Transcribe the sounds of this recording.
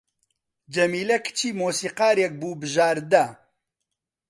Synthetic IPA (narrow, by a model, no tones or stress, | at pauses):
d͡ʒɐmiːlɛkt͡ʃʰiːmoːsiːqɑːɾek̚buːbɨʒaːɾd̪ɐ